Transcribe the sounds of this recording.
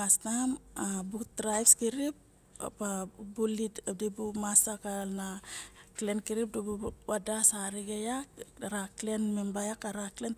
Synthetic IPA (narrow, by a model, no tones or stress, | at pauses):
asnamabutɾajpskiɾip̚ | a̰pabuliddibumasakalnaklenkiɾip̚dibuwadasaɾiɡejaɾaklenmembajakaɾaklen